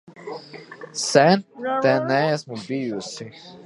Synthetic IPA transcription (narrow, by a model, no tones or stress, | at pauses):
sɛnt̪ɛnæɛsmubijusi